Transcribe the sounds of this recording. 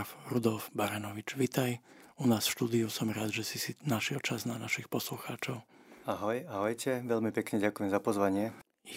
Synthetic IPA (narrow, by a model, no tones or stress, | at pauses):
fɾud̪ɔlfbaɾɛnɔʋit͡ʃʋit̪ajunaːsfʃt̪uːd̪iusɔmɾaːd̪ʒɛsisinaʃɪɛlt͡ʃaznanaʃixpɔsluxaːt͡ʃɔʊaɦɔjaɦɔjcɛʋɛʎmipɛkɲɛɟakujɛmzapɔzʋaɲɪɛ